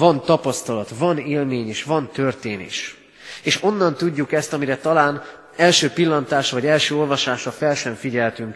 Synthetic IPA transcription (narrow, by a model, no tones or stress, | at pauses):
vɒnt̪ɒpɒst̪ɒlɒt̪vɒneːlmeːɲeːʃʋɒnt̪ørt̪eːnḛːʃ | eːʃo̞nːɒnt̪uɟːukɛst̪ɒmiɾɛt̪ɒlaːn | ɛlʃøːpilːɒnt̪aːʃɒvɒɟɛlʃøːo̞lvɒʃaːʃɒfɛlʃɛɱfiɟɛlt̪yŋk